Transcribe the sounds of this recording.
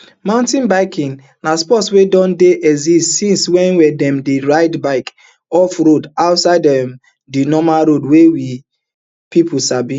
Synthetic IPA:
mãʊ̃ntĩnbaɪkʰĩŋ | naspɔtswedɔ̃ndeʔɛzistsĩnswɛ̃nwɛdɛ̃mdeɹaɪdbaɪk | ɔfɹodaʊtsaɪdɛm | dinɔmaɾodwewi | pipʰusabĩ

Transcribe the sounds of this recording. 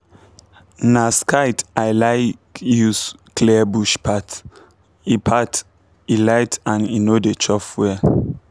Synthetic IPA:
naskaɪtʔaɪlaɪkjusklɛbuʃpʰat | ipʰat | ilaɪtãninodet͡ʃɔfwɛ

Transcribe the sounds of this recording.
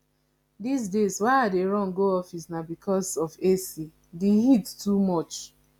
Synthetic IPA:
dis̬dezwaɪadeɹɔ̃ŋɡoɔfisnabikʰɔsɔfesi | deɦittumɔt͡ʃ

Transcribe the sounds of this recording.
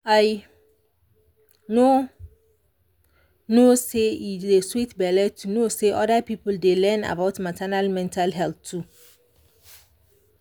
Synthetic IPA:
aɪ | no | noseideswitbɛlɛtʰunoseʔɔdapʰipldelɛ̃na̰baʊtmatʰɛnalmɛ̃ntʰalɦɛltʰːu

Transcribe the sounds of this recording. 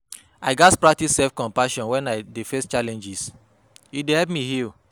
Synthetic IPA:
aɪɡatpɹak̚tissɛfkɔ̃mpaʃɔ̃nwɛ̃naɪdefest͡ʃalɛ̃nd͡ʒis | idehɛp̚mihil

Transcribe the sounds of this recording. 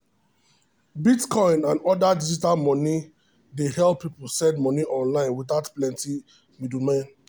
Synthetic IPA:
bitkʰɔ̃ɪ̃nãndɔdadid͡ʒitalmɔni | dehɛlppʰːipol̩sɛ̃ndmɔniʔɔ̃nlãɪ̃nwiθaʊtplɛ̃nti | midumãn

